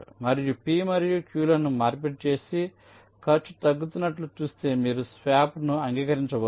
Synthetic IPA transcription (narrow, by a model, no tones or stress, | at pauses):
mɐɾijupiːmɐɾijukjuːlɐnumaːɾp̬eʈ̚t͡ʃe̞ːsi | kʰɐɾt͡ʃːu̥t̪ɐɡːut̪unːɐʈlut͡ʃuːst̪e̞ːmiːɾusʋaːpnuɐŋɡiːkɐɾiɲt͡ʃɐbo